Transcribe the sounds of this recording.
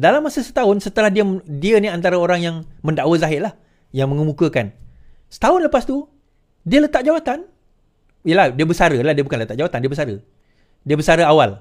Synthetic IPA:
dalamːasəsə̥t̪aʊnsət̪əlahdiədiəniant̪aɾaoɾaŋjaŋmə̃ndaʔwəzaɦɪʔlah | jaŋməŋəmũkəkan | sə̥t̪aʊnləpast̪u | diələt̪aʔ̚d͡ʒawat̪an | jəlahdiəbəsaɾəladiəbukanlət̪aʔd͡ʒawat̪andiəbəsaɾə | diəbəsaɾəawal

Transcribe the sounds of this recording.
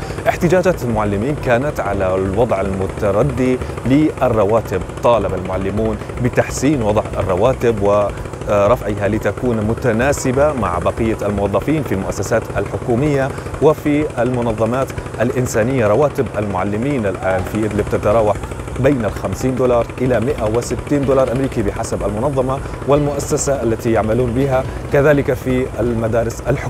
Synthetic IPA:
ʔɪħt̪ɪd͡ʒaːd͡ʒaːt̪almʊʕalːɪmiːnkaːnat̪ʕalalwɑd̪ˤʕalmʊt̪ɑɾˤɑd̪ːilɪʔɪrˤːɑwaːt̪ɪb̚t̪ˤɑːlɪbalmʊʕalːɪmuːnbɪt̪aħsiːnwɑd̪ˤʕɪ̰rˤːɑwaːt̪ɪbwɪ | ɾˤɑfʕɪɦalɪt̪akuːnmʊt̪anaːsɪbama̰ʕbaqɪjːaalmʊwɑðˤːɑfiːnfilmʊʔasːasaːt̪alħʊkuːmɪjːawɪfialmʊnɑðˤːɑmaːt̪ʔalʔɪnsaːnɪjːaɾˤɑwaːt̪ɪbʔalmʊʕa̰lːɪmiːnalʔaːnfiʔɪd̪lɪb̚t̪at̪ɑɾˤɑːwaħbeːnalxamsiːnd̪uːlɑːɾˤʔɪlamɪʔawɪsɪt̪ːiːnd̪olɑːɾˤʔamɾiːkibɪħasabʔalmʊnɑðˤːɑmɑ | wɪlmʊʔasːasaʔalːat̪ijaʕmaluːnbɪɦakaðaːlɪkafiʔalmad̪aːɾɪsʔalħʊ

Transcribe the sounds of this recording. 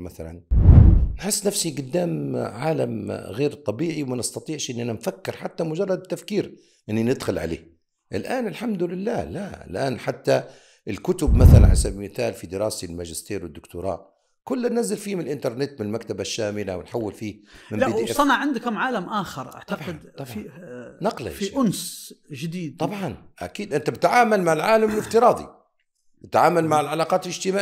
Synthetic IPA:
maθalan | nħɪsːnafsiɡʊd̪ːaːmʕaːlamɣeːɾt̪ˤɑbiːʕiwmanɪst̪ɑt̪ˤiːʕʃʔɪnːʔananfakːɪɾħat̪ːamʊd͡ʒɑrˤːɑd̪t̪ːafkiːɾ | ʔɪnːinɪd̪xʊlʕa̰lḛː | ʔɪlʔaːnɪlħamd̪ʊlɪlːaːlaɪ̰lʔaːnħat̪ːa | ɪlkʊt̪ʊbmaθalanħasabmɪθaːlfid̪ɪɾɑːsilmaʒɪst̪iːɾwɪd̪ːʊkt̪ʊɾˤɑ̰ːʔ | kʊlːanːazalfiːmɪnɪlʔɪnt̪ɑɾˤnɪt̪mɪnɪlmakt̪abaʃːaːmɪlawɪnħawːɪlfiːmɪmaisˤɑnɑʕʕɪnd̪akhamʕaːlamʔaːxɑɾˤʔa̰ʕt̪abʕɪd̪ˤɑɑnɑqla̰jfiʔʊnsʒɪd̪iːd̪t̪ˤɑbʕɑnʔa̰kiːd̪ʔɪnt̪abɪt̪ʕaːmalmaʕɪlʕaːlamɪlɪft̪ɨɾˤɑːd̪ˤḭ | bɪt̪ʕaːmalmaʕɪlʕalaːqɑːt̪ɪlɪʒt̪ɪmaː

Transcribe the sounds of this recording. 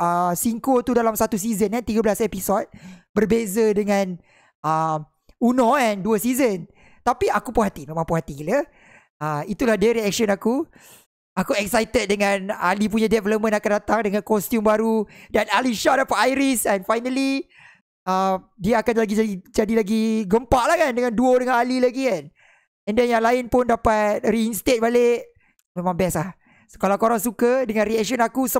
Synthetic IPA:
əsiŋkot̪udalamsat̪us̬izənant̪iɡəblasepisɔt̪̚bərbezədəŋãn | əm | unɔɛnduəsizən | t̪apiakupuɦat̪imẽmãŋpuɦat̪ilə | əit̪ulahdəɾiɛk̚ʃɔnaku | akuɛksajt̪ət̪̚dəŋãna̰lip̬uɲãdɛvɛləp̚mə̃nakandat̪aŋdəŋãnkɔst̪jumbaɾudanaliʃadapat̪ajɾisɛnfajnali | amdiaakanlaɡid͡ʒaid͡ʒadilaɡiɡəmpaʔlahkandəŋãnduodəŋanalilaɡikan | ɛ̃ndɛnjaŋlaɪnpʊndapat̪̚riːnst̪et̪̚baleʔ | mẽmãŋbɛslah | so̥kalakoɾaŋsukədəŋãnriɛk̚ʃɔ̃nakusə

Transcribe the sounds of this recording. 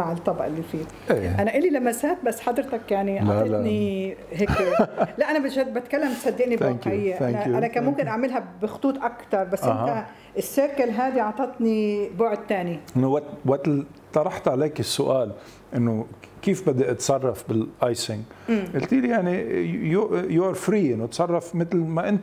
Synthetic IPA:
aʕɪlt̪ˤːɑbʔɪlːifiː | ʔeʔanaʔɪlilamːasaːt̪̚basːħad̪ɾɪt̪akjaʕniʔlaaniɦeːklaʔanabɪt̪bat̪kalːamsad̪ːɪʔnibt̪akjajːaʔanaanakaːnmʊmkɪnʔaʕmɪlɦabɪxʊ̥t̪ˤuːt̪ˤʔakt̪ɑɾˤbasːʔɪnɦa | ʔɪsːɪɾkalɦaːd̪iʕɑʕt̪ˤɑt̪ˤnibʊʕd̪̚t̪aːniʔɪnːowawat̪l | t̪ˤɑɾˤɑħt̪ʕaleːkɪsːʊʔaːl | ʔɪnːokiːfbɪd̪ːaʔɨt̪sˤɑrˤːɑfbɪlʔɑjsɪŋː | ʔɪlt̪iljaʕnijʊjʊʕɾfɾiːʔɪnːot̪sˤɑrˤːɑfmɪt̪lmaʔɪnt̪

